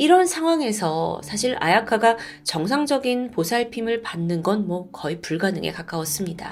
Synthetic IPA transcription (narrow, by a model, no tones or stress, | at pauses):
iɾʌnsʰaŋɦwaŋe̞sʰʌsʰaɕʰiɾʔa̰jakʰaɡa | t͡ɕʌŋsʰaŋd͡ʑʌɡinposʰaɭpʰimɯɭpanːɯnɡʌnmwʌkʌipuɭɡanɯŋɡḛkak͈awʌs͈ɯmɲida̰